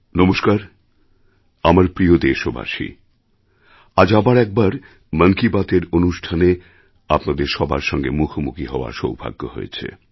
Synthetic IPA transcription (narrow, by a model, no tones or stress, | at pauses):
nɔmoʃkaɾ | amaɾpɾiod̪eʃoba̰ʃḭ | ad͡ʑabaɾɛk̚baɾ | məŋkibat̪eɾonuʃʈʰane | apnad̪eɾʃɔbʱa̰ɾʃɔŋɡemukʰomukiɦɔoa̰ɾʃowbʱa̰ɡːo̰ɦo̰ḛt͡ɕʰḛ